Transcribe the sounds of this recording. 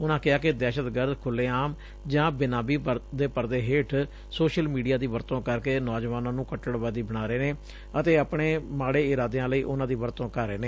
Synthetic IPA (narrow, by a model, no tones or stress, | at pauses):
ʊnãːkɪaːkɪd̪ɛːʃət̪ɡəɾd̪kʰʊlːeːaːm | d͡ʒãːbɪnaːbiːpəd̪eːpəɾd̪eːɦeːʈʰ | soːʃəlmiːɖijaːd̪iːʋəɾt̪õːkəɾkeːnɔːd͡ʒʋaːnãːnũːkəʈːəɽʋəd̪iːbəɽ̃aːɾeːneː | ət̪eːəpɳeːmaːɽeːɪɾaːd̪eãːləiːʔʊnãːd̪iːʋəɾt̪õːkəɾeːneː